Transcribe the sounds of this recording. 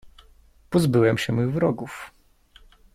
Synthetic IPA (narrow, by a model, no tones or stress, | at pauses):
pɔzbɘwɛmɕɛmuɣvɾɔɡuf